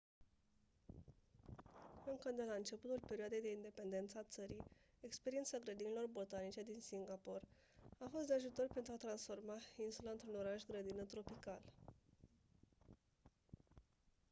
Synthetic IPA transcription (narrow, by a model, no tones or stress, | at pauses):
ɨŋkəd̪e̞laɨnt͡ʃe̞put̪ulpe̞ɾioad̪e̞jd̪e̞ind̪e̞pe̞nd̪e̞nt̪səat̪səɾi | e̞kspeɾiet̪saɡɾəd̪inilo̞rbo̞t̪anit͡ʃe̞d̪insiŋɡapo̞r | afo̞st̪̚d̪e̞aʒut̪o̞rpent̪ɾuat̪ɾansfo̞rmainsuləɨnt̪ɾuno̞ɾaʃɡɾəd̪inət̪ɾo̞pikal